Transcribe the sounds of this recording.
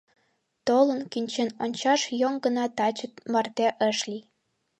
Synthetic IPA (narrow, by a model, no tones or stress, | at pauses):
t̪olənkynʲt͡ɕenonʲt͡ɕɑʃjoŋɡənɑt̪ɑt͡ɕət̪mɑrt̪eʔəʃli